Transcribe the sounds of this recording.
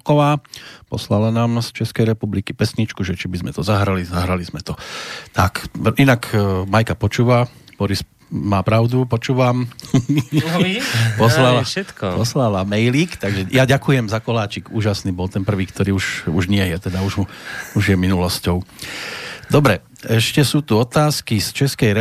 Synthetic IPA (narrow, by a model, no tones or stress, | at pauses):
kɔʋaːpɔ̰slalanaːmst͡ʃɛskɛjɾɛpublikipɛsɲit͡ʃkuʒɛt͡ʃibizmɛt̪ɔzaɦɾalizaɦɾalizmɛt̪ɔt̪akinakmajkapɔt͡ʃuːʋab̥ɔɾis | maːpɾaʊd̪upɔt͡ʃuːʋam | pɔslalaɛt̪kɔpɔslalamɛjlikt̪aɡʒɛjaɟakujɛmzakɔlaːt͡ʃikuːʒasniːbɔlt̪ɛnpr̩ʋiːkt̪ɔɾiːuʒuʒɲɪɛjɛt̪ɛd̪auʒuʒjɛminulɔscɔʊ | d̪ɔbɾɛ | ɛʃcɛsuːt̪uɔt̪aːskist͡ʃɛskɛjɾɛ